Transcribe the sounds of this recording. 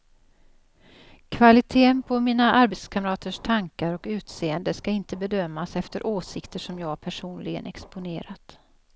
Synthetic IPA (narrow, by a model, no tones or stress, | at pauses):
kʰvalɪt̪ʰeːənpʰɔmiːnaʔaɾbet̪skʰamɾɑːt̪əʂt̪ʰaŋkaɾɔkʉ̟ːt̪seːənd̪əskaɪnt̪əbɛd̪œmːasɛft̪əɾʔoːsɪkt̪əʂɔmjɑːɡpʰæʂuːnlɪɡə̰nɛ̰kspʊnḛːɾat̪